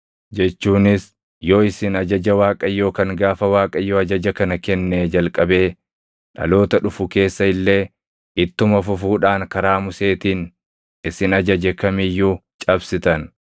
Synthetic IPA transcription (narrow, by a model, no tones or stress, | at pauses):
d͡ʒɛt͡ʃːuːnɪs | jo̞ːɪsɪnɐd͡ʒɐd͡ʒɐwaːkʼɐjo̞ːkɐŋɡaːfɐwaːkʼɐjːoːɐd͡ʒɐd͡ʒɐkɐnɐkɛnːed͡ʒɐlkʼɐbe̞ː | ᶑɐ̰lo̞ːt̪ɐᶑʊfʊke̞ːsːɐɪlːe̞ː | ʔɪt̪ːʊmɐfʊfuːᶑaːŋkɐɾaːmʊse̞ːt̪iːn | ɪsɪnɐd͡ʒɐd͡ʒɛkɐmɪjːut͡ʃʼɐbsɪt̪ɐn